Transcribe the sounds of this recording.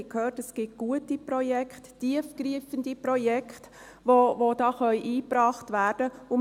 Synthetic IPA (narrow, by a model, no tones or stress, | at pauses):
khøːtɛsɡ̥ɪt̚ɡ̥uətipɾɔjɛkχttiəfɡɾiəfəndipɾɔjɛkχt | vovod̥ɑːχœʏʔiːpɾɑːχtvæːɾd̥əʊ